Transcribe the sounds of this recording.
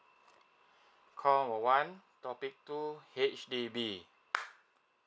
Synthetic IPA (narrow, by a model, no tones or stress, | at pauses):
kʰɔwɔwãntɔpik̚tuhet͡ʃdibi